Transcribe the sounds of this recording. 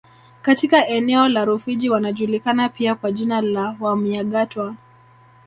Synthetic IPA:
katikaʔɛnɛɔlaɾufiʄiwanaʄulikanapiakwaʄinalawamiaɠatwa

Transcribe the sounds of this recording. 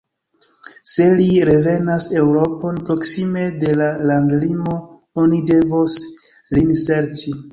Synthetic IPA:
se̞liɾe̞ve̞nase̞wɾo̞po̞npɾo̞ksime̞de̞lalaŋɡlimo̞ | o̞nide̞vos | liŋse̞ɾt͡ʃi

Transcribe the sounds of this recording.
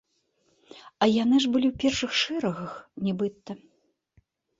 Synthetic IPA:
ɐjanɨʐbɨlʲiwpʲɛrʂɨxʂɨɾɐɣɐxnʲɛbɨt̪ːɐ

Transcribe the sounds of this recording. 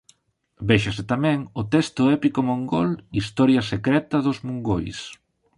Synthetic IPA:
bɛʃɐsɪt̪amɛŋʊt̪ɛst̪ʊɛpikomoŋɡolist̪ɔɾjɐsekɾɛt̪ɐðozmuŋɡojs

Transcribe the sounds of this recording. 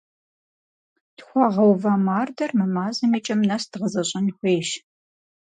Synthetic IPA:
d̥xʷɑʁɐwvɐmaːrdɐrmɨmaːzɐmiːt͡ʃʼɐmnɐsd̥ʁəzɐɕʼɐnxʷeːʃ

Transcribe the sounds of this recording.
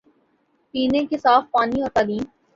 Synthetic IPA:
piːnẽkesaːfpaːnioːɾt̪aːlĩːm

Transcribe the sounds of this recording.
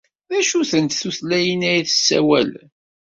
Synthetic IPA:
ðæʃuθənt̪θuθlæjənæjiθə̥sːæ̰wæ̰l

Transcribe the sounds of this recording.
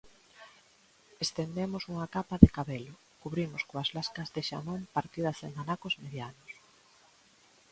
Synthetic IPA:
est̪end̪emʊsuŋakapaðekaβelʊ | kuβɾimoskoazlaskɐzðeʃa̰mompaɾt̪iðɐseŋanakozmeðjanʊs

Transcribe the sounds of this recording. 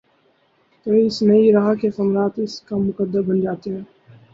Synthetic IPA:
t̪ɐɾĩɪsnɐiɾaɦakexɐmɾaːt̪ɪskamʊkəd̪əbbɐnd͡ʒaːt̪eɦɛ̃ː

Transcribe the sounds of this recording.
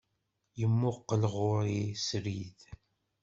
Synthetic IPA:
jəmːʊqːəlʁʊɾisɾið

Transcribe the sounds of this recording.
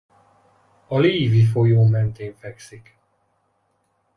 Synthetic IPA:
ɒliːvifojoːmɛnt̪eːɱfɛksik

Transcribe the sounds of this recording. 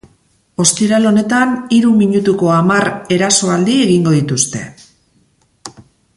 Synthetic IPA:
o̞st̪iɾalo̞ne̞t̪aniɾumiɲut̪uko̞amaɾe̞ɾaso̞ald̪ie̞ɣiŋɡo̞ðit̪ust̪e̞̰

